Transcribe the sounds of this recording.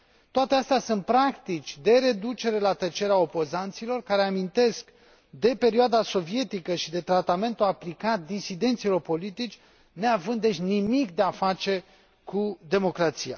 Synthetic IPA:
t̪oat̪e̞ast̪easunt̪̚pɾakt̪it͡ʃʲd̪e̞ɾe̞d̪ut͡ʃe̞ɾe̞lat̪ət͡ʃe̞ɾeao̞po̞zant̪silo̞rkaɾe̞amint̪e̞sk | d̪e̞pe̞ɾioad̪aso̞vije̞t̪ikəʃid̪e̞t̪ɾat̪ame̞nt̪uaplikat̪̚d̪isid̪e̞nt̪silo̞rpo̞lit̪it͡ʃʲ | ne̞avɨnd̪et͡ʃʲnimikd̪e̞afat͡ʃe̞ | kud̪e̞mo̞kɾat̪sija̰

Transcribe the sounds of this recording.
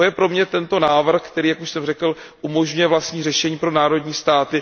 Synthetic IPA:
ojɛpɾo̞mɲɛt̪ɛnt̪o̞naːvr̩xkt̪ɛɾiːjakuʃsɛmrɛkl̩ | ʔumo̞ʒɲujɛvlast̪ɲiːrɛʃɛɲiːpɾo̞naːɾo̞dɲiːst̪aːt̪ɪ

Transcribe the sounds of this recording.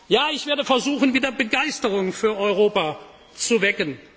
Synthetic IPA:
jaːɪçv̥eːɐdəfɛɐzuːxn̩viːdɐbəɡaɪstəʁʊŋfyːɐʔɔʏʁoːpa | t͡suvɛkən

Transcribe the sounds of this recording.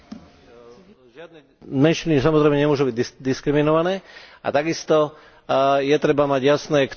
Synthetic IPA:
ʒɪad̪̚nɛ | mɛnʃinisamɔzɾɛːmɛɲɛmʊɔʒubiɟ̪d̪iskɾiminɔʋanɛːa̰t̪aɡist̪ɔ | jɛt̪ɾɛbamaɟjasnɛːk

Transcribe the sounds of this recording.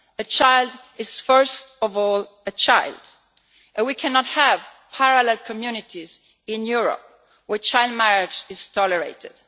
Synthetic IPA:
ət͡ʃaɪld | ɪz̥fɜ˞stɔvɔl | ət͡ʃʰaɪld | ʔɛ̃nwikʰæ̃nɔthævpʰaɹalɛlkʰɔmjunɪtʰiz | ɪ̃njuɹə̰p̚ | wɛɹt͡ʃʰaɪlˠd̚mæɹɪd͡ʒɪz̥tʰɔləɹḛɪtɪ̰d̥

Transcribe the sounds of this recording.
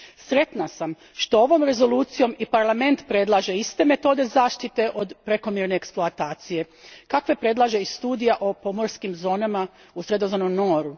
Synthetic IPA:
sɾe̞t̪nasam | ʃt̪o̞o̞ʋo̞mɾe̞zo̞luːt̪sijo̞mipaɾlˠame̞nt̪pɾe̞d̪lˠaːʒe̞ist̪e̞me̞t̪o̞d̪e̞zaːʃt̪it̪e̞ʔo̞d̪pɾe̞ko̞mjeɾne̞ːksploat̪aːt̪sije̞ | kakʋe̞pɾe̞d̪lˠaːʒe̞ist̪uːd̪ijaʔopo̞mo̞ɾskimzo̞ːnama | usɾe̞d̪ozanomno̞ːɾu

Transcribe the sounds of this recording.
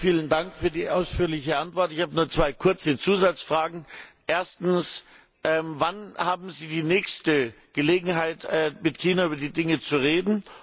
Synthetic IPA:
fiːləndaŋkfyːɐdiːʔaʊsfyːɐlɪçəʔantv̥ɔɐtɪçhaːbənuːɐt͡sv̥aɪkʰʊɐt͡sət͡suːzat͡sfʁ̥aːɡŋ̩ʔeːɐstn̩s | ʔɛːmvanhaːbm̩ziːdiːnɛːçstə | ɡ̥əleːɡŋ̩ɦaɪtɛːmɪtkʰiːnaʔyːbɐdiːdɪŋət͡suʁeːdn̩

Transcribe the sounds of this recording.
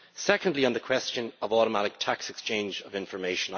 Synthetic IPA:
sɛkə̃ndˡliə̃nðəkʰw̥ɛst͡ʃə̃nəvɔɾəmaɾɪk̚tʰaksɛkst͡ʃʰẽɪ̃nd͡ʒəvɪ̃ɱfə˞meɪʃə̃n

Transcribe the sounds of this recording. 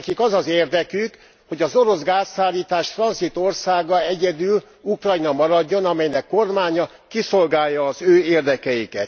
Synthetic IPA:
kikɒzɒzeːrd̪ɛkyk | ho̞ɟɒzo̞ɾo̞zɡaːsːaːlːiːt̪aːʃfrɒnzit̪o̞rsaːɡɒɛɟɛd̪yl | ukrɒjnɒmɒɾɒɟːo̞nɒmɛjnɛkːo̞rmaːɲɒ | kiso̞lɡaːjːɒːzøːeːrd̪ɛkɛjikɛt̪

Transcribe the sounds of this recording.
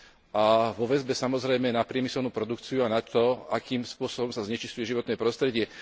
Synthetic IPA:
ʔaʋɔʋɛzbɛsamɔzɾɛjmɛnapɾɪɛmisɛlnuːpɾɔd̪ukt͡siuanat̪ɔakiːmspʊɔsɔbɔmsazɲɛt͡ʃiscujɛʒiʋɔt̪nɛːpɾɔst̪ɾɛɟɪɛ

